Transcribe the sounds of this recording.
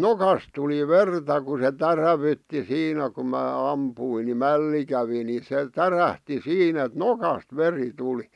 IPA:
nokɑs tuli ʋertɑ ku se tæræʋytːi siːnæ ku mæː ɑmpuin ni mælːi kæʋi ni se tæræhti siːnæ ĕt nokɑst ʋeri tuli

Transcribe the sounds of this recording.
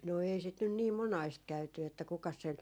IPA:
no ei sit nyn niː monɑist kæyty etːæ kukɑs sen

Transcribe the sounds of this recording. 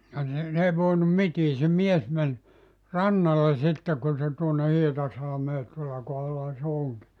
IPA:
jɑ ni n ei ʋoinum mitiː se mies men rɑnːɑle sitːe kun se tuonːe hietɑsɑlɑ̆meː tuolːɑ kohɑlːɑhɑ se oŋki

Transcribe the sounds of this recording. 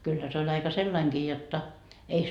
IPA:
kylːæ se olʲ ɑikɑ selːɑiŋkiː jotːɑ ei

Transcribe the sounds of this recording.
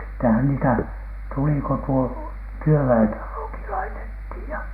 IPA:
sitːehæn niːtæ tuli ko tuo tyøʋæentɑloki lɑitethiˑj jɑ

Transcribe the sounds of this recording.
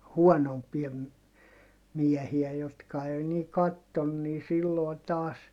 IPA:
huɔnompiɑ m miɛhiæ jotkɑ ei niː kɑtːon niː silːoi̯ tɑːs

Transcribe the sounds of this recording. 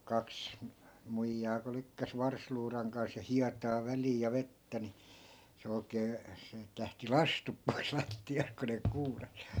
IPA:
kɑks muijːɑː ku lykːæs ʋɑrsluːrɑŋ kɑns jɑ hiɑtɑː ʋæliːj jɑ ʋetːæ ni se oi̯keː siːt læhti lɑstup pois lɑtːiɑst̆ ku ne kuːrɑs

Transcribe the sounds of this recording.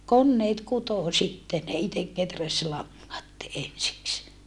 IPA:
konːeːt kutoˑ sitːe ne itek ketræs lɑŋːɑt ensiks

